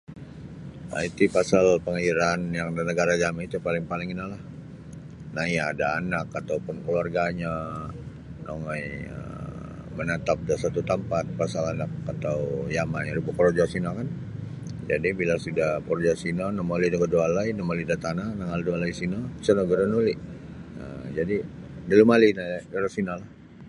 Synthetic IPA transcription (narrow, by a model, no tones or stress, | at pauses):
a̰it̪ipasalpəŋaiɾanjaŋdanəɡaɾad͡ʒamait̪upalɪŋpalɪŋinalah | najaːdaːnakat̪awpʊnkluarɡaɲa | noŋajə̰ | mənat̪ap̚dasat̪ut̪əmpat̪̚pasalanakat̪awujamaɲalubapɔɾod͡ʒasinakan | d͡ʒa̰dibilasudahpɔɾod͡ʒasinanamolidakədualainɔmalidat̪ananaŋaldualaisinabisanəɡəɾanuliʔ | ə̰d͡ʒadidilumalinadaɾasinalah